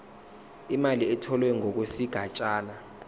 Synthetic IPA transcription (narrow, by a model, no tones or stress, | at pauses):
imaliɛtʰɔlwɛŋʱɔk̬wesiɡ̥ʱat͡ʃʼaːna